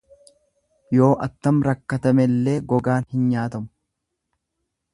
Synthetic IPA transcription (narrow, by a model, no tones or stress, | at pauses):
jo̞ːʔɐt̪ːɐmɾɐkːɐt̪ɐmɛlːe̞ːɡɔɡaːnhɪnɲaːt̪ɐmʊ̥